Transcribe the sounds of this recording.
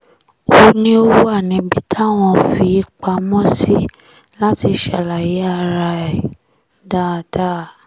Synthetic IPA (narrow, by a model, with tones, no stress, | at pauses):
o˧˨nĩ˦o˦wu˦a˦˨nĩ˨˦bi˦tʰa˦˨w̃ɔ̃˧˨fi˧˦i˧k͡pa˧mɔ̃˦si˦ | la˦ti˧ʃa˨la˨ji˨˦a˦˧ɾa˧ɛ˨ | da˦˨da˦˨